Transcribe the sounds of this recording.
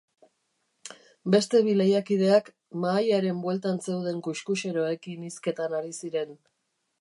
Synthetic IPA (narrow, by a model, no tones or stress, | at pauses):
be̞st̪e̞βilejakiðe̞ak | maːjaɾe̞mbwe̞lt̪anse̞wð̞e̞ŋkuʃkuʃe̞ɾo̞e̞kiniske̞t̪anaɾisiɾe̞n